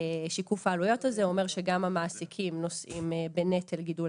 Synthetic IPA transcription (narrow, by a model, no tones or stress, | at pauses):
ʃikufaːlujo̞tazeo̞me̞ʁʃeɡamamaːsikʰimno̞sʔimebene̞telɡidul